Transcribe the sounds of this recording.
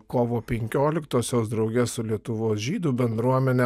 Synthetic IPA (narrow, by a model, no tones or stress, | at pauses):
koːʋoːpʲɛŋʲkʲoːlʲɪkt̪oːsʲoːsd̪ɾɒʊɡʲɛssʊlʲiɛt̪ʊʋoːsʒʲiːd̪uːbʲɛnd̪ɾuɔmʲɛnʲɛ